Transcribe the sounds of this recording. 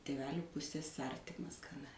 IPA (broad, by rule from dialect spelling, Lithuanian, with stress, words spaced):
tʲeːˈʋʲæːlʲuː ˈpʊsʲeːs ˈɐrʲtʲɪmɐs ɡɐˈnɐ